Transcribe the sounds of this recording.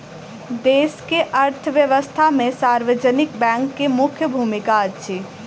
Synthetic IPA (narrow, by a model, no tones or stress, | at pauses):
d̪eːskeʔɐɾt̪ʰəʋjəʋəst̪ʰamẽsaːɾʋəd͡ʒənɪkbɛ̃ːŋkːemʊkʰjəbʱuːmɪkaətːʃʰi